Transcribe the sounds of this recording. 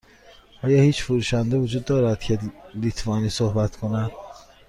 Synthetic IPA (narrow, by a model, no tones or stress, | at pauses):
ʔɒːjɒːhiːt͡ʃfuɾuːʃænd̪evod͡ʒuːd̪ːɒːɾæd̪̥cʰelit̪ʰvɒːniːsohbæt̪ʰkʰonæd̪̥